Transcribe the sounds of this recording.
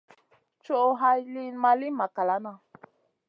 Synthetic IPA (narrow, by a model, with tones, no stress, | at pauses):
t͡ʃo˦ʔo˧ɦa˧jli˦˧nmã˧li˦mã˨ka˨la˨˦nã˧